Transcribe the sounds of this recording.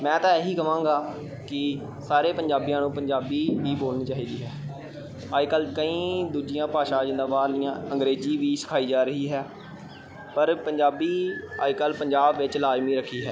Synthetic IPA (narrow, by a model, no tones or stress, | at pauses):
mɛ̃ːt̪ãːeɦiːkəʋãːɡaː | kɪ | saːɾeːpəɲd͡ʒaːbijãːnũːpəɲd͡ʒaːbiːɦiːboːlniːt͡ʃaːɦiːd̪iːɦɛː | aːd͡ʒkəlkəĩːd̪uːd͡ʒɪjãːpaːʃãːd͡ʒɪnd̪aːbaːɾlɪjãːə̃ŋɡɾeːziːʋiːsɪ̥kʰaːiːd͡ʒaːɾəɦiːɦɛː | pəɾpəɲd͡ʒaːbiːa̰ːkəlpəɲd͡ʒaːbʋɪt͡ʃlaːzmiːɾəkʰiːɦɛː